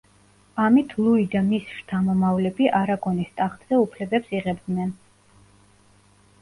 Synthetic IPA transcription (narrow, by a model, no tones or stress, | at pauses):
amit̪ʰlˠuid̪amisʃt̪ʰamɔmavlɛbiʔaɾaɡɔnist̪ʼaχt̪z̥ɛupʰlɛbɛpsiʁɛbd̪nɛn